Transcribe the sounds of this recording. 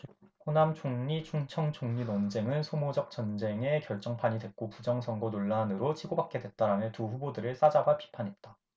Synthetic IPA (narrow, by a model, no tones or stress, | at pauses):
konamt͡ɕʰoŋɲit͡ɕʰuŋt͡ɕʰʌŋt͡ɕʰoŋɲinond͡ʑe̞ŋɯnsʰomod͡ʑʌk̚t͡ɕ͈ʌnd͡ʑe̞ŋe̞kjʌɭt͡ɕ͈ʌŋpʰaɲidwe̞t̚k͈opud͡ʑʌŋsʰʌŋɡonoɭːanɯɾot͡ɕʰiɡobak͈̚e̞dwe̞t̚t͈aɾanɯntuɸubodɯɾɯɭs͈ad͡ʑabapʰi̥pʰanɦe̞t̚t͈a